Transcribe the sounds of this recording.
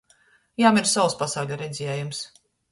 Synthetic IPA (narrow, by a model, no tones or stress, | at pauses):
jaːmʲiɾsawspasaːwlʲaɾɛd̪zʲijɛːjums